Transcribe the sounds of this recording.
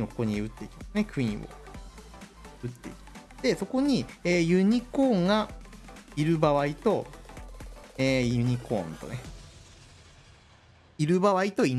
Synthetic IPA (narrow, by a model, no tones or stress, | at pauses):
okokoɲ̟iɯ̟t̪ːe̞it̪nekɯ̟ĩβo̰ | ɯ̟t̪ːe̞it̪ | d̪̥e̞so̞ko̞ɲ̟ieːjɯ̟ɲ̟iko̞ːŋɡa | iɾɯ̟baβait̪o̞ | eːjɯ̟ɲ̟ikõ̞̰nt̪o̞̰ne | iɾɯ̟baβait̪o̞im